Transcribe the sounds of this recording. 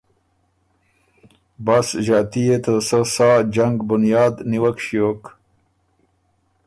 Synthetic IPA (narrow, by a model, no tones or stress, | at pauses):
basʒɑːt̪ijet̪əsəsaːd͡ʒaŋɡbʊnjɑːd̪niwakɕijok